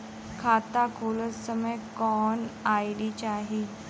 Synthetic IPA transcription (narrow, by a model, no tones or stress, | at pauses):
kʰat̪akʰolət͡ssəməjkɔnajlit͡ɕaɦi